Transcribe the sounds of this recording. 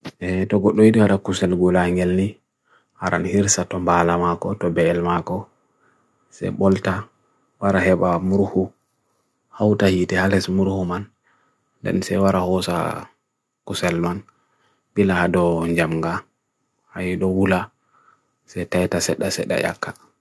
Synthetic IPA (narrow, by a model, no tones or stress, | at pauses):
ʔɛtɔɡɔɗːɔjiɗiwaɗakusɛlɡulaŋɡɛlni | haɾʔa̰nhiɾsatɔmbalamakɔtɔbɛːlmakɔ | sɛ̰ɓɔlta | waɾahɛɓamuɾhu | hawtahitɛhalɛsmuɾhuman | ndɛ̰nsɛjwaɾahɔsa̰ | kusɛlman | ɓilahadɔɲd͡ʒamŋɡa | hajiɗɔwula | sɛtajtasɛɗasɛ̰ɗːa̰ja̰kʰːḁ